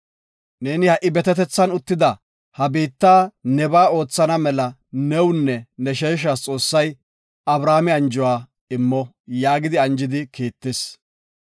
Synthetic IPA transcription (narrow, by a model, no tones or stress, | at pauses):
ne̞ːnɪhɐʔːɪbɛt̪ɛt̪ɛt͡sːɐnʊt̪ːɪd̪ɐ | hɐbiːt̪ːaːnɛbaːo̞ːt͡sːɐnɐmɛlɐnɛwnːɛnɛʃeːʃ̬aːst͡sʼo̞ːsːɐj | ɐbɾaːmɪɐnd͡ʒɔwaː | ɪmːɔ | jaːɡɪd̪ɪɐnd͡ʒɪd̪ɪkiːt̪ːɪs